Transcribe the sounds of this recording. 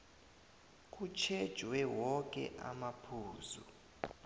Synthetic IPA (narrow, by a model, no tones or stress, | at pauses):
k̬ʼut͡ʃʰɛd̥ʒ̥ʱwɛwɔkʼɛ̰ʔa̰mapʰuːzṵ